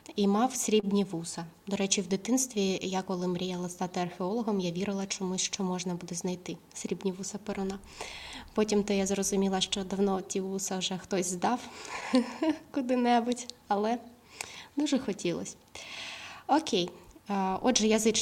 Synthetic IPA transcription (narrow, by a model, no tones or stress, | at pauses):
imɑwsʲɾʲibnʲiʋusɐd̪ɔɾɛt͡ʃʲiwd̪ɪt̪ɪnst̪ʋʲijakɔlˠɪmɾʲijalˠɐst̪ɑt̪ɪɐrxʲeɔlˠɔɦɔmjaʋʲiɾɪlˠɐt͡ʃɔmusʲʃt͡ʃɔmɔʒnɐbud̪ɛznɐjt̪ɪ | sʲɾʲibnʲiʋusɐpɪɾʊnɑ | pɔtʲimt̪ɪjazrɔzʊmʲilˠɐʃt͡ʃɔd̪ɐwnɔtʲiʋusɐwʒɛxt̪ɔsʲzd̪ɑw | kʊd̪ɪnɛbʊtʲɐlˠɛ | d̪uʒɛxɔtʲilˠɔ̰sʲ | ɔkʲej | ɔdʒɛjɐzɪt͡ʃ